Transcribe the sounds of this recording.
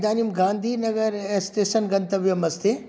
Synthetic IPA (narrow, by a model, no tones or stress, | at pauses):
d̪aːniumɡãːnd̪ʱinɐɡəɾɛsʈeːʃənɡɐ̃nt̪əbjɐmɐst̪ʰe